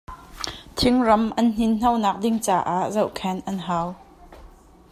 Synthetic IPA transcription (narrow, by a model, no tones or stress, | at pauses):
t̪ʰɪŋrɐmʔɐnn̥inn̥ɐwnaːk̚dɪŋt͡saːʔaːʔzɐwʔkʰɛnʔɐnɦaːw